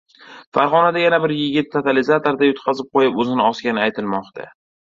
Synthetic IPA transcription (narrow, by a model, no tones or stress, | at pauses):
faɾʁɒnad̪ajanabɪɾjɪɡʲɪt̪ːʰat̪ʰalɪzat̪oɾd̪ajot̪qʰɑzɪp̚qʰojɪpɵzɪnɪɒskʲanɪajt̪ʰɪlmɒqt̪ʰa̰